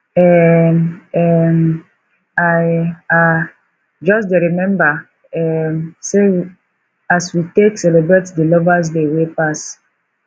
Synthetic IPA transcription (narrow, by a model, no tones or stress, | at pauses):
ɛmɛm | aa | d͡ʒɔsdeɹimɛ̃mba | ɛmse | aswiteksɛlebɹetdilɔvas̬dewepas